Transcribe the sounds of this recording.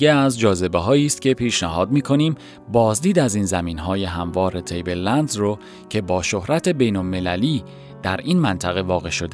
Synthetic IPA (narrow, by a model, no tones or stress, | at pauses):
eæzd͡ʒɒːze̞be̞ɦɒːiːst̪ce̞pʰiːʃnæɦɒːd̪miːkʰo̞niːm | bɒːzd̪iːd̪æziːnzæmiːnɦɒːje̞ɦæmvɒːɾe̞t̪ʰejbe̞llænd̪zro | cʰe̞bɒːʃo̞hɾæt̪ʰe̞be̞jnolme̞læliː | d̪̥æɾiːnmænt̪ʰæɣe̞vɒːɣe̞ʃo̞d̪e